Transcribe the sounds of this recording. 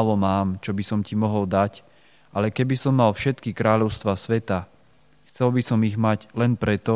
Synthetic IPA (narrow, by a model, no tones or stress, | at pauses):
ʋɔmaːmt͡ʃɔbisɔmcimɔɦɔld̪ac | ʔalɛkɛbisɔmːalfʃɛt̪kikɾaːʎɔʊst̪ʋasʋɛt̪a | xt͡sɛlbisɔmiɣmaɟlɛnpɾɛt̪ɔ